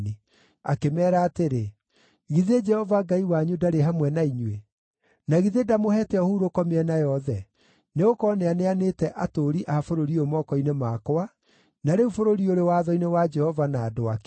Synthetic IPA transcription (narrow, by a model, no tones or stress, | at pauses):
ni | a̰kemɛːɾaːteɾe | ɣiðed͡ʒɛhɔvaɡaiwaɲudaɾeɦamwɛnaiɲwe | naɣiðedamohɛtɛɔhuɾokɔmeɛnajɔðɛ | neɣokɔneaneanetɛʔatoɾiʔafoɾoɾiomɔkɔinemakoa | naɾeufoɾoɾioɾewaðɔinewad͡ʒɛhɔvanaːdoak